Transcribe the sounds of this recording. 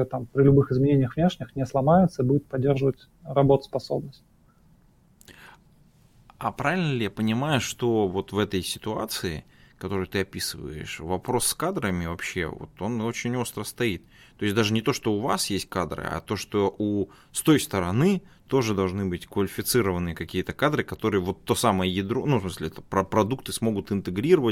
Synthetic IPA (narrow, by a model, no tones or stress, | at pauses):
t̪ampɾʲɪlʲʊbɨxɨzmʲɪnʲenʲɪjəxvnʲeʂnʲɪxnʲɪslˠɐmajʊt̪səibudʲɪt̪̚pɐdʲːerʐəvətʲ | ɾɐbo̞t̪ə̥spɐso̞̰bnəsʲtʲ | apɾavʲɪlʲnəlʲɪjapənʲɪmajʊʂt̪o̞vo̞t̪vɛt̪əjsʲɪ̥t̪ʊa̰t̪sɨɪ̰kɐt̪o̞ɾɨjt̪ɨɐpʲisɨvə̰jɪ̰ʂvɐpɾo̞sːkad̪ɾəmʲɪvɐpɕːe̞̰vo̰t̪o̞no̞t͡ɕɪnʲo̞st̪ɾəst̪ɐit̪̚ | t̪ːo̞ɪsʲd̪aʐɨnʲɪt̪o̞ʂt̪o̞ʊva̰sjesʲt̚ʲkad̪ɾɨ̰ɐ̰t̪o̞ʂt̪o̞ʔu | st̪o̞jst̪əɾɐnɨ | t̪o̞ʐɨd̪ɐlˠʐnɨbɨtʲkvəlʲɪfʲɪt̪sɨɾəvənɨjəkɐkʲijət̪əkad̪ɾɨkɐt̪o̞ɾɨjəvo̞t̪ːosaməjəjɪd̪ɾonufsmɨsʲlʲɪɛt̪əpɾɐpɾɐd̪uk̚t̪ɨsmo̞ɡʊt̪ɨnt̪ɨɡɾʲiɾəvə